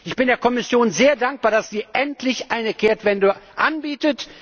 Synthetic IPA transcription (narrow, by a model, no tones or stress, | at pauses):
ʔɪçb̥ɪndeːɐkʰɔmɪsjoːnzeːɐdaŋk̚b̥aːɐdasd̥iːʔɛntʰlɪçʔaɪnəkʰeːɐtv̥ɛndəʔanbiːtət